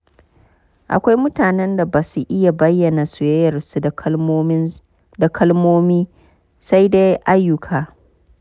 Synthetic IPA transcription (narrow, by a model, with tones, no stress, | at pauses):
ʔa̰˨kʷa˦jmʊ˦taː˨nɛ˦nda˨baː˨su˦ʔɪ˦ja˨bɐ˦jːɐ˨na˨su˨jɐ˦jɐ˨rsu˨˦ | da˨kʰɐ˦lmoː˦miː˦ | sa˦jde˦jʔa˦jːʊ˨kʰaː˨